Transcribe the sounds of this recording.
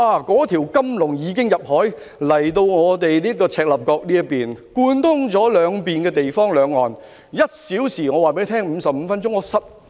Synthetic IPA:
aː˧˩kɔː˨˥t̪ʰiː˨˩wkɐ˥mlʊ˨˩ŋjiː˨˧˥k̬ɪ˥ŋjɐ˨p̚hɔː˨˥j | lɐ˨˩jt̪o˧wŋɔː˨˧t̪e˨jliː˥ɐ˥kːɔː˧t͡sʰɛː˧k̚lɐ˨p̚kɔː˧k̚liː˥ɐ˥piː˨˩nkuː˧nt̪ʰʊ˥ŋt͡sɔː˨˥lœː˨˧ŋpiː˨nkɛː˧t̪e˨jfɔː˥ŋlœː˨˧ŋːɔ̰ː˨n | jɐ˥t̚siː˨˥wsiː˨˩ŋɔː˨˧waː˨pe˨˥jt̪ʰɛː˥ŋm̩ː˨˧sɐ˨p̚m̩˨˧fɐ˥nt͡ʃʊ˥ŋːɔː˨˧sɐ˨p̚

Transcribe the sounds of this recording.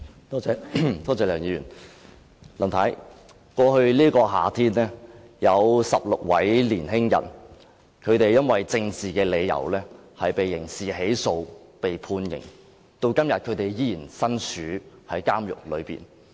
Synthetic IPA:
t̪ɔ˥ɛ˨˥t̪ʰɔː˥t͡sɛː˧˥lœː˨˩ŋjiː˨˧jyː˨˩n | lɐ˨˩nt̪ʰɐ˨˥j | kɔː˧hɵ˧ɥliː˥kɔː˧ɦa̰ː˨t̪ʰiː˥nnɛː˥ | jɐ˨˧wsɐ˨p̚lʊ˨k̚wɐ˨˥jliː˨˩nɦɪ˥ŋjɐ̰˨n | kʰɵ˨˧ɥt̪e˨jjɐ˥nwɐ˨jt͡sɪ˧ŋt͡siː˨kɛː˧le˨˧jːɐ̰˨˩wlɛː˥hɐ˨jpe˨jːɪ˨˩ŋsiː˨ɦe˨˥jso˧wpe˨˩jpʰuː˧njɪ̰˨˩ŋ | t̪o˧wkɐ˥mjɐ˨t̚kʰɵ˨˧ɥt̪e˨˩jjiː˥jiː˨˩nsɐ˥nsyː˨˥hɐ˨˥jkaː˥mjʊ̰˨k̚lɵ̰˨˧ɥpḭː˨˩n

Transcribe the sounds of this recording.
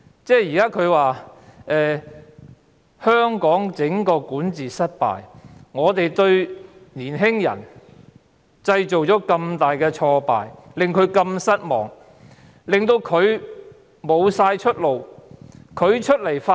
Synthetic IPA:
t͡sɛː˥jiː˨˩kaː˥kʰɵ˨˧ɥwaː˨ʔɛː˨ | hœː˥ŋkɔː˨˥ŋt͡sɪ˨˥ŋkɔː˧kuː˨˥nt͡siː˨˩sɐ˥t̚pa̰ː˨˩jŋɔː˨˧t̪e˨jt̪ɵ˧ɥniː˨˩nɦɪ˥ŋjɐ̰˨˩n | t͡sɐ˧jt͡so˨wt͡ʃɔː˨˥kɐ˧mt̪aː˨jkɛː˧t͡ʃʰɔː˧pa̰ː˨˩jlɪ˨ŋkʰɵ˨˧ɥkɐ˧msɐ˥t̚mɔ̰ː˨˩ŋ | lɪ˨ŋt̪o˧wkʰɵ˨˧ɥ | mo˨˧wsaː˧jt͡ʃʰɵ˥t̚lo˨w | kʰɵ˨˧ɥt͡ʃʰɵ˥t̚le˨˩jfa˥

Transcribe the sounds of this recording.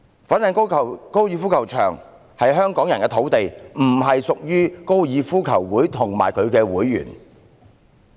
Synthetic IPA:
fa˨˥nːɪ˨˩ŋʰ˥˨˩ko˥wjiː˨˧fuː˥kʰɐ˨˩wt͡ʃʰœ̰ː˨˩ŋ | hɐ˨jɦœː˥ŋkɔː˨˥ŋjɐ˨˩nkɛː˧t̪ʰo˨˥wt̪e˨jm̩˨˩ɦɐ˨jsʊ˨k̚jyː˥ko˥wjiː˨˧fuː˥kʰɐ˨˩wwuː˨˥jt̪ʰʊ˨˩ŋma̰ː˨˩jkʰɵ˨˧ɥkɛː˧wuː˨˥jːy̰ː˨˩n

